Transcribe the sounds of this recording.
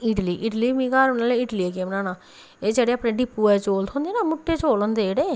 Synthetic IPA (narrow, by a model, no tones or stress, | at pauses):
ɪʈliːʔɪʈliːmĩːkaːɾnaːlẽɪʈliːekeːmnaːnaː | eːd͡ʒeːɽeːaːpɳẽːɖɪpːuːɛːt͡ʃoːlt̪ʰɦõnd̪eːnaːmʊʈːeːt͡ʃoːlond̪eːɽeː